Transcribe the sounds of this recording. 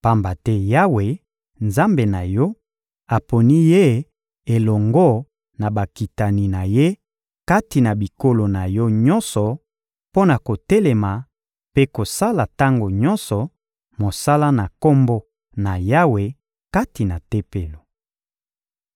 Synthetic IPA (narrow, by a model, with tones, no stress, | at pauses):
pa˦mba˨tɛ˦ja˦we˨ | nza˦mbe˨na˨jɔ˦ | a˨po˨ni˦je˦ | e˨lɔ˨ŋɡɔ˦ | na˨ba˨ki˨ta˨ni˨na˨je˦ | ka˦ti˨na˨bi˨ko˦lo˨na˨jɔ˦ɲɔ˦nsɔ˨ | po˦na˨ko˨tɛ˦lɛ˨ma˨ | pe˦ko˨sa˦la˨ta˦ŋɡo˨ɲɔ˦nsɔ˨ | mo˨sa˦la˦na˨ko˦mbo˦ | na˨ja˦we˨ | ka˦ti˨na˨te˦pe˨lo˨